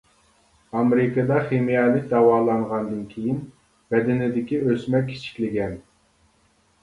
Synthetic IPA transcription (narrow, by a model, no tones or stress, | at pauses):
ɑmɾɪkɨd̪ɑχemijɛlˠɪk̚ʲd̪ɑwɑːlˠɑɴʁɑnd̪ɨnkʲʰejin | b̥ɛd̪ɪnɪd̪ɪkʲiøsmɛkʲʰːi̥t͡ʃʰi̥kʲlɪɡʲɛn